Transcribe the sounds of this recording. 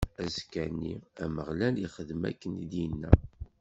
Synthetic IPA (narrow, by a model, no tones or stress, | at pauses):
æzkænːiæməʁlæliχəðmæ̰kːənid̪jinːæ